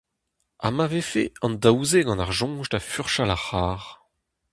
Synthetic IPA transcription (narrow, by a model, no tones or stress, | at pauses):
a̰mavefḛɑ̃ndawzeɡɑ̃naʁʒɔ̃ʒdafyʁʃalaχaːʁ